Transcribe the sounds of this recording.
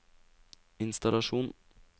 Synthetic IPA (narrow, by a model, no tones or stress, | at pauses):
ɪnst̪ɑlɑʃuːn